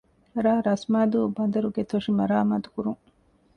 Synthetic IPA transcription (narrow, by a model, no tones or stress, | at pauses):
ɾaːɾɐsmaːd̪uːbɐnd̪ɐɾuɡet̪oʂimɐɾaːmaːt̪u̥kuɾuŋ